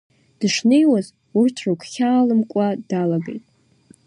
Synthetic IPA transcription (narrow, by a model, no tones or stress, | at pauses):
d̥ɨʂne̞jwaz | urtʰrɨkʷʰχʲaːlɨmkʷʼadalaɡejtʼ